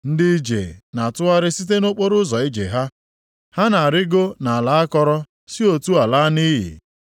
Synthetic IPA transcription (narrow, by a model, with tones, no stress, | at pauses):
n̩˦dɪ˦d͡ʒḛ˨na˨tʊ˦a˦ɾɪ˦si˦t̬e˦no˦k͡po˦ɾʊ˦zɔ˨i˦d͡ʒḛ˨ɦa˦ | ha˦na˨a˨ɾɪ˦ɡo˦na˨a˨la˨˦a˦kɔ˦ɾɔ˦ | si˦o˨tu˦a˨la˦ni˦ɦḭ˨